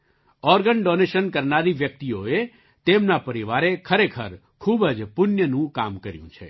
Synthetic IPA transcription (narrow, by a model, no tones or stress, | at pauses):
ɔɾɡəɳɖoneʃənkəɾnaɾiʋjək̚t̪ioe | t̪emnapəɾiʋaɾekʰəɾekʰəɾ | kʰubəd͡ʒpʊnjənũka̰mkəɾjṵ̃t͡ʃʰḛ